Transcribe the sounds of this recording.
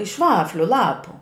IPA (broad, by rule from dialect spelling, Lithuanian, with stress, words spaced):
ɪʃ ˈʋɑːfʲlʲʊ ˈlˠɑːpʊ